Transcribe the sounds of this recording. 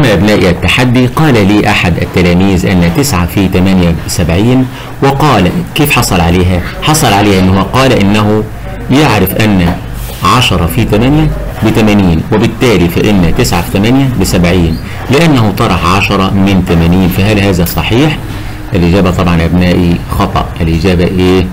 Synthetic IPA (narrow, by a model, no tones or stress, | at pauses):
ʔamːæʔæbnæːʔiʔæt̪ːaħad̪ːiqɑːlæliːʔaħad̪ʔæ̰t̪ːælæːmiːzʔɪ̰nːæt̪ɪsʕafit̪æmænjæsæbʕiːn | wɪqɑːlækeːfħɑsˤɑlʕaleːɦæħɑsˤɑlʕaleːhʔɪnːhwæqɑːlæʔɪnːæɦu | jeʕɾɪfʔænːæ | ʕɑʃɑɾˤɑfit̪æmænjæ | bɪt̪æmæniːnwɪbɪt̪ːæːlifæʔɪnːæt̪ɪsʕafi̥t̪æmænjæbɪsæbʕiːn | lɪʔænːæhʊt̪ˤɑɾˤɑħʕɑʃɑɾˤɑmɪnt̪æmæniːnfæɦælhæːzæsˤɑħiːħ | ʔælʔɪd͡ʒæːbæt̪ˤɑbʕɑnʔæbnæːʔixɑt̪ˤɑ̰ʔʔɪlʔɪd͡ʒæːbæʔeː